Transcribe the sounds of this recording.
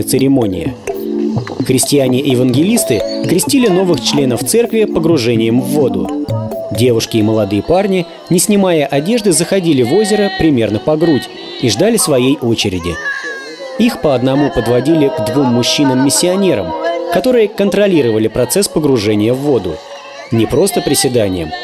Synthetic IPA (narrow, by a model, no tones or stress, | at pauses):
ət̪sɨɾʲɪmo̞nʲɪ̰jə̰ | xɾʲɪsʲtʲɪjanʲɪʔɪvənɡʲɪlʲist̪ɨkɾʲɪsʲtʲilʲɪno̞vɨxt͡ɕlʲe̞nəft̪sɛrkvʲɪpəɡɾʊʐɛnʲɪjəmvːo̞d̪ʊdʲe̞vʊʂkʲɪːməlˠɐd̪ɨjəparnʲɪ | nʲɪsʲnʲɪmajəʔɐdʲe̞ʐd̪ɨzəxɐdʲilʲɪvo̞zʲɪɾəpɾʲɪmʲe̞rnəpɐɡɾutʲ | iʐd̪alʲɪsvɐjejʔo̞t͡ɕɪɾʲɪdʲɪ̰ | ixpəɐd̪nɐmupəd̪vɐdʲilʲɪɡd̪vumːʊɕːinɨmːʲɪsʲːɪɐnʲe̞ɾə̰mkɐt̪o̞ɾɨjəkənt̪ɾɐlʲiɾəvəlʲɪpɾɐt̪sɛspəɡɾʊʐɛnʲɪjəvːo̞d̪ʊ̰ | nʲɪpɾo̞st̪əpɾʲɪsʲɪd̪anʲɪ̰jəm